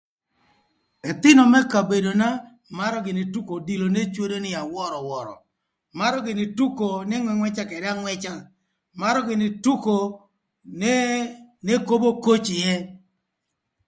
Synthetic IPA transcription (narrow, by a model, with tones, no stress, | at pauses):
ɛ˨t̪ɪ˦nɔ˨mɛ˦ka˨be˨do˨na˦ | ma˦ɾɔ˦ɡɪ˨nɪ˨tu˦ko˨di˨lo˨ne˦t͡ʃwo˦do˦nɪ˦a˨wɔ˦ɾɔ˨wɔ˨ɾɔ̰˨ | ma˦ɾɔ˦ɡɪ˨nɪ˨tu˦ko˨nɛ˦ŋwɛ˨ŋwɛ˦t͡ʃa˦kɛ˨da˦ŋwɛ˦t͡ʃa˦ | ma˦ɾɔ˦ɡɪ˨nɪ˨tu˦ko˨ | n˦ne˦ko˦bo˦ko˦t͡ʃɪ˨jɛ˦